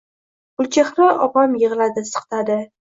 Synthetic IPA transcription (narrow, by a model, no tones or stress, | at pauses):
bʊlt͡ʃʰeχnɪʔɒpɑmjɨʁɨlad̪ɪsɨ̥qt̪ʰad̪ɪ